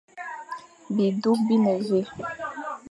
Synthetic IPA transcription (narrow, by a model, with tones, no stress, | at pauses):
bi˨du˦k̚bi˦ne˨ze˦